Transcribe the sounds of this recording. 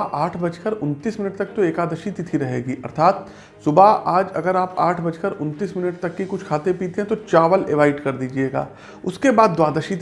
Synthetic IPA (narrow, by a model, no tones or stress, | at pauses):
ʔaːʈʰbɐt͡ʃkəɾʊnt̪iːsmɪnəʈt̪ɐk̚t̪oeːkaːd̪əʃit̪it̪ʰiɾɐɦeːɡiːʔɐ̰ɾt̪ʰaːt̪ | sʊbaʔaːd͡ʒɐ̰ɡəɾaːpaːʈʰbɐt͡ʃkəɾʊnt̪iːsmɪnəʈ̚t̪ɐkːikʊt͡ʃʰkʰaːt̪epiːt̪eɦɛ̃t̪ot͡ʃaːʋəleʋaːɪɖkɐɾd̪iːd͡ʒieːɡa̰ː | ʊskebaːd̪̚ːwaːd̪əʃit̪